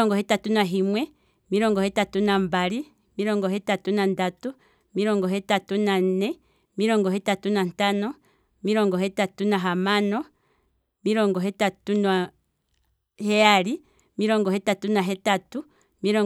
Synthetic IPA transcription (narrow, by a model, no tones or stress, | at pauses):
ɔŋɡɔɦɛtatunaɦimwɛ | miɾɔŋɡɔhɛtatunambaɾi | miɾɔŋɡɔɦɛtatunandatu | miɾɔŋɡɔɦɛtatunanɛ | miɾɔŋɡɔɦɛtatunantanɔ | miɾɔŋɡɔɦɛtatunaɦamanɔ | miɾɔŋɡɔɦɛtatunwa | hɛjaɾi | miɾɔŋɡɔɦɛtatunaɦɛtatu | miɾɔ